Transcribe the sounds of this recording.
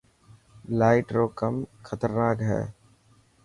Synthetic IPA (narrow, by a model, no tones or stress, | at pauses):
laːɪʈɾoːkəmxʰət̪əɾnaːkɦɛ̰ː